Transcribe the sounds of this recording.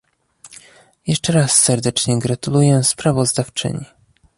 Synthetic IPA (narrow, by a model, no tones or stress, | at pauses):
jɛʂt͡ʂɛɾasːɛɾd̪ɛt͡ʂɲɛɡɾat̪ulujɛspɾavɔzd̪aft͡ʂɘ̰ɲi